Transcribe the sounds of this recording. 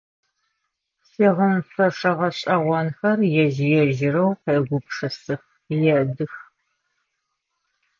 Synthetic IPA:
siːʁəmfɐʂɐʁɐɕʼɐʁʷɔnxɐrjɛʒɪjɛʒɪɾɐwqeːɡʷʊpʂɐsɨx | jɛdɨx

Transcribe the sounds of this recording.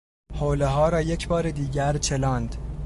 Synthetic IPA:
hoːleɦɒːɾɒːjecʰbɒːɾed̪iːɟæɾt͡ʃʰe̞lɒːnd̪

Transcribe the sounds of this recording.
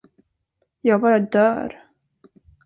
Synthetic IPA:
jɑːɡ̚bɑːɾad̪œːɾ

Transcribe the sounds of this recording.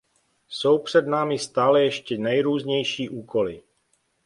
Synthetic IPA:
so̞wpr̝̥ɛdnaːmɪst̪aːlɛjɛʃcɛnɛjɾuːzɲɛjʃiːʔuːkʰo̞lɪ

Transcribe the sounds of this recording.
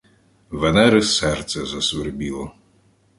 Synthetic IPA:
ʋenɛɾɪsɛrt̪sɛzɐsʋɪrbʲilˠɔ

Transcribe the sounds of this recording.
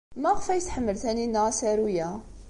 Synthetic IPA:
mæʁəfæjθħəmːəlθæninːəæsæɾujæ

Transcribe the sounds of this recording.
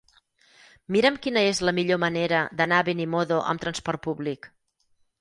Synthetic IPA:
miɾəmkinəezləmiʎoməneɾəd̪ənaβenimoðoʔə̰mt̪ɾənspɔrt̪̚puβlik

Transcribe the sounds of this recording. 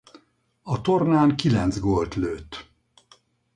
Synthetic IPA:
ɒt̪o̞rnaːŋkilɛnd̪zɡolt̪løːt̪

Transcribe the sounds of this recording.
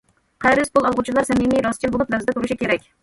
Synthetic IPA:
qʰɑjɾspulˠɑlˠʁut͡ʃʰilˠɑɾsɛmimijɾɑst͡ʃʰilbolˠupnæwzɪd̪ɛt̪ʰuɾuʃikʲʰeɾɛkʲ

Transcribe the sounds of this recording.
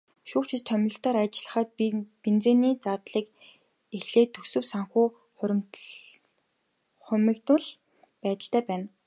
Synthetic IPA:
ʃuːkt͡ɕʰɪ̆t̪t̪ʰːœmʲɪ̆ɬt̪ɔːɾat͡ɕɪɮə̆χə̆ːt̪̚pint͡seːniːt͡sart̪ɮiːk | exɮeːt̪ʰːɵsɵ̆wsaŋxuː | χʊɾʲm | χʊmĭːkt̪ʰʊɮ | pæːt̪ə̆ɬt̪æːpæːn

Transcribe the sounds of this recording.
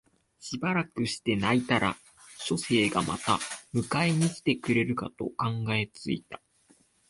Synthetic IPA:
ɕibaɾakɯ̟ɕi̥t̪e̞nait̪aɾʔa̰ | ɕo̞se̞ːɡama̰t̪amɯ̟kaeɲ̟ikʲi̥t̪e̞kɯ̟ɾe̞ɾɯ̟ka̰t̪o̞̰kãŋɡae̞t͡sɨḭt̪ḁ

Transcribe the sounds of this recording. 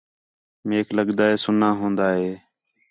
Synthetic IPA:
meːkʰləɠd̪aːɦeːsʊnãːɦõːnd̪aːɦeː

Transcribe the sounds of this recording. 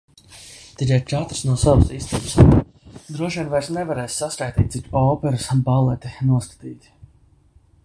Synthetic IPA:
t̪iɾʲɛt͡ʃat̪ɾsnuɔsavusist̪iːbs | d̪ɾuɔʃiɛnvajɾsnɛvaɾɛːsʲsaskajt̪ʲiːt̪̚ʲt̪sikʲɔːpɛɾusbalˠɛt̪inuɔskḁt̪iːt̪ʲ

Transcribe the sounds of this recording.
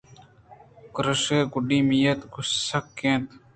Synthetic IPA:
kɾəʂeːɡʊɖiːmijɐt̪ɡʊssɐkːẽːt̪

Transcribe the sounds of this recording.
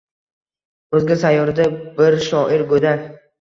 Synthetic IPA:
ɵzɡʲɪsajːɒɾd̪abɪɾʃɒʔɪɾɡod̪a

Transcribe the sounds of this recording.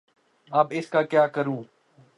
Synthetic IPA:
ɐbɪskaːkjaːkəɾũː

